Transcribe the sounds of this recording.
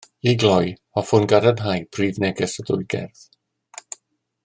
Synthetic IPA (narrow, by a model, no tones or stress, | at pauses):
iɡlˠɔj | ɔfʊnɡaɾənɦajpʰriːvnɛɡɛsɔdʊjɡɛ̰rθ